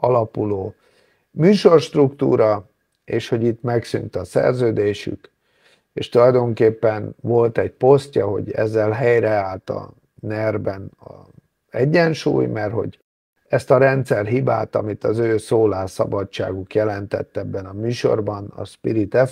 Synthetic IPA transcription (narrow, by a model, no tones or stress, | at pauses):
ɒlɒpuloː | myːʃo̞rʃt̪rukt̪ṵːɾɒ | eːʃho̞ɟit̪mɛksynt̪ɒsɛ̰rzøːd̪eːʃy̰k | ḛːʃt̪ulɒjd̪o̞ŋkeːpːɛnvo̞lt̪ɛcpo̞scɒɦo̞̰ɟɛ̰zːɛlɦɛjɾɛaːlt̪ɒ̰ | nɛrbɛnɒ | ɛɟːɛnʃṵːjmɛrho̞̰ɟ | ɛst̪ɒɾɛnt̪sɛrɦiba̰ːt̪ɒ̰mit̪ɒzøːsoːlaːsɒbɒt͡ʃt͡ʃːa̰ːɡukjɛlɛnt̪ɛ̰t̪ːɛbːɛnɒmyːʃo̞̰rbɒnɒ̰ʃpiɾit̪ɛf